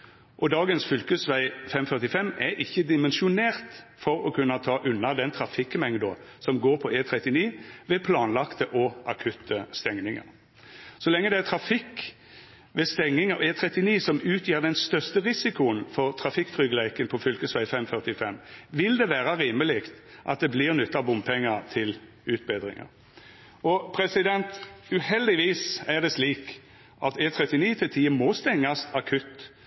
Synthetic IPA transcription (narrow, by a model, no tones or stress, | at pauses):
ʔɔd̪ɑːɡənsfʏlkəsʋæɪfɛmfœʁt̪ɪfɛmːɛɾʔɪçːəd̪ɪmənʃʊneːʁt̪fɔɾɔkʰʉnːɑt̪ʰɑːʔʉnːɑd̪ɛnt̪ʰɾɑfɪkːmɛŋd̪ʊ | sɔmɡoːɾpʰɔʔeːt̪ʰʁɛt̪ːɪniːʋɛpʰlɑːnlɑkt̪əʔɔʔɑkʰʉt̪ʰːəst̪ɛŋnɪŋə̰ɾ | sɔlɛŋːəd̪ɛæt̪ʰɾɑfɪkː | ʋɛst̪ɛŋnɪŋəeːt̪ʰɾɛt̪ːɪniːsɔmʉːt̪ʰjiːʁd̪ɛnst̪œʁst̪əʁɪsɪkʊənfɔɾt̪ʰɾɑfɪkːt̪ʰʁʏɡəlæɪkənpʰɔfʏlkəsʋæɪfɛmfœʁt̪ɪfɛmːʋɪld̪ɛʋæːʁɑʁiːməlɪkt̪ʔɑ̰t̪̚d̪ɛblɪːʁnʏt̪ːɑbʊmpʰɛŋːəɾt̪ʰɪl | ʉːt̪̚beːd̪ʁɪ̰ŋə̰ɾ | ɔpʰɾɛsɪd̪ɛnt̪ʉhɛld̪ɪʋiːsæʁd̪ɛsliːk | ʔɑt̪eːt̪ʰɾɛt̪ːɪniːt̪ʰɪlt̪ʰiːəmɔst̪ɛŋːɑsɑkʰʉt̪ː